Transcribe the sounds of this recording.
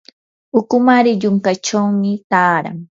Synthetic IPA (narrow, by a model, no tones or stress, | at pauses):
ʊkʊmaɾɪʎʊŋkat͡ʃawmɪt̪aːɾa̰ŋ